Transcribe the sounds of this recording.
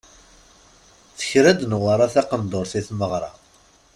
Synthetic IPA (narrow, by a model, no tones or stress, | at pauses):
θə̥çɾæd̪nwəɾˤaθæqənd̪oɾθiθməʁɾˤɑ̰